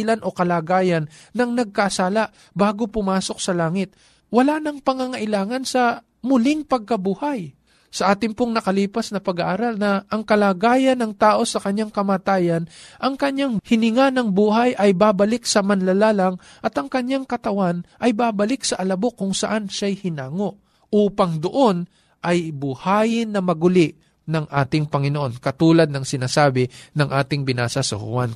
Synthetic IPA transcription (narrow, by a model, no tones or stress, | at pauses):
lanʔo̞kɐlaːɡaːjɐnːɐŋnɐɡ̚kɐʔːsaːlaʔ | baːɡo̞pʊmaːso̞k̚sɐlaːŋɪt̪̚ | wɐlanɐŋpɐŋaŋɐʔɪlaːŋɐnsɐ | mʊlɪŋpɐɡ̚kɐbuːhaj | sɐʔaːt̪ɪŋpoŋnɐkɐliːpɐsnɐpɐɡaʔaːɾalnɐʔɐŋkɐlaːɡaːjɐnːɐŋt̪aːʔo̞sɐkɐɲjaŋkɐmaːt̪aːjɐnʔɐŋkɐɲjaŋhɪnɪŋanɐŋbuːhajʔɐjbaːbɐlɪksɐmɐnlɐlaːlaŋ | ʔɐt̪ɐŋkɐɲjaŋkɐt̪ɐwanʔɐjbaːbɐlɪk̚sɐʔɐlɐbokʊŋsɐ̰ʔanʃajhɪnaːŋo̞ʔ | ʔuːpɐŋd̪oʔo̞n | ʔɐjbʊhaːjɪnːɐmɐɡʊlɪʔ | nɐŋʔaːt̪ɪŋpɐŋɪnoʔo̞nkɐt̪uːlɐd̪̚nɐŋsɪnaːsaːbɪnɐŋʔaːt̪ɪŋbɪnaːsɐsɐ̰hʊ̰wan